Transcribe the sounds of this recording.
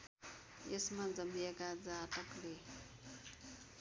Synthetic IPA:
esmad͡zʌmiekad͡zat̪ʌkle

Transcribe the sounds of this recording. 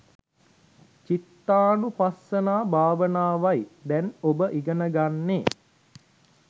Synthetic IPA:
t͡ʃit̪ːaːnupasːənaːbʱaːʋənaːʋajd̪ɛnobəʔiɡənəɡanːe

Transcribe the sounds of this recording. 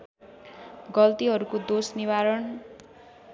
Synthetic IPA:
ɡʌlt̪iɦʌɾukod̪osnibaɾʌn

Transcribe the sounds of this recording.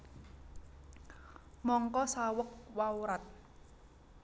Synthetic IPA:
mɔŋkɔsawək̚wauɾat̪̚

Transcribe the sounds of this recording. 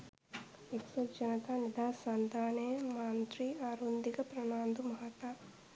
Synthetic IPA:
eksɐd͡ʒɐnɐt̪anid̪ʱaːsand̪ʱaːneːmaːnt̪ɾiaːɾund̪iɡɐpɾɐnaːnd̪umɐɦat̪a

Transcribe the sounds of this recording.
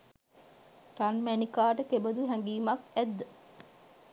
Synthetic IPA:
ɾanmænikaːʈəkebəd̪uɦɛŋɡiːmakæd̪ːə

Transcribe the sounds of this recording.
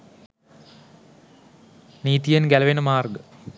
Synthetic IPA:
niːt̪ijenɡælɐʋenəmaːrɡə

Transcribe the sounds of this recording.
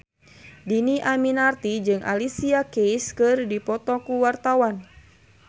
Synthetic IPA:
diniʔaminart̪id͡ʒɨŋʔa̰lisiakejskɨrdipɔt̪ɔkuwart̪awan

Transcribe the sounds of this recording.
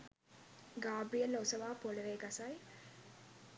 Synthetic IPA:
ɡaːbijəlːɐosɐʋaːpoləʋeːɡasɐj

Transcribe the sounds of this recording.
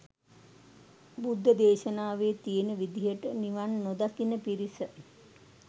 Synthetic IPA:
bud̪ʱːəd̪eːʃənaːʋeːt̪ienəʋid̪iɦəʈəniʋanːod̪akinəpiɾisə

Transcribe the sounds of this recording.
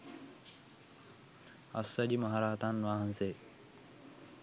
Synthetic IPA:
ɐ̰sːɐʄiːmɐɦaɾaːt̪anʋaːɦənseː

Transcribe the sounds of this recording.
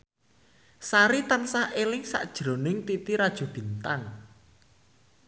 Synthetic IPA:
saɾit̪ansaʔelɪŋsa̰ʔd̥ʒ̥ɾonɪŋt̪it̪iɾad̥ʒ̥o̤b̥i̤nt̪aŋ

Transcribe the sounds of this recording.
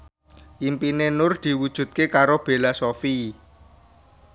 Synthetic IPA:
ʔimpinenʊrd̪̥i̤wud̥ʒ̥ṳt̪̚kekaɾob̥e̤lasofi

